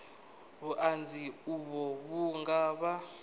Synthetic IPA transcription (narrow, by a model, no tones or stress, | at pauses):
βuʔand͡zʱiuβɔβuŋɡaːɓa